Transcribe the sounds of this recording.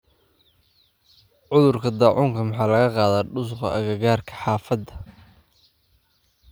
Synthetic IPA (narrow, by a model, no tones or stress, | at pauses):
ʕʊðʊrkʰɐd̪ɑːʕʊŋkʰɐmɑħɑːlɐɣɐqɑːðaːɖʊs̬ʊqɐ̰ʔɐɣɐɣaːrkʰɐ̥ħɑːfɐd̪ɐ